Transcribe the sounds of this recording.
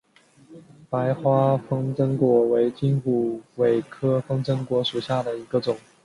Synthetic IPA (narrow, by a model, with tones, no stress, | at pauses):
pa˧˥ɪxwa˥fɤ˥ŋʈ͡ʂɤ˥ŋkwɔ˧˥we˧˥ɪt͡ɕi˥npu˨˩we˨˩ɪkʰɤ˥fɤ˥ŋʈ͡ʂɤ˥ŋkwɔ˧˥ʂu˨˩ɕja˥˩d̪ə˩i˧˥ɡə˧ʈ͡ʂʊ˨˩˦ŋ